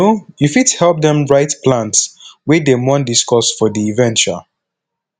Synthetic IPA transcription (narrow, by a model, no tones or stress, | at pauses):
ojufithɛlˠp̚dɛ̃mɹaɪtpʰlãntswidemɔ̃ndiskɔsfɔdiːvɛ̃nt͡ʃə̰